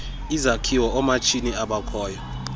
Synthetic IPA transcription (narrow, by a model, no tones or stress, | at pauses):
izakʰiwɔɔmat͡ʃʰiniaɓakʰɔːjɔ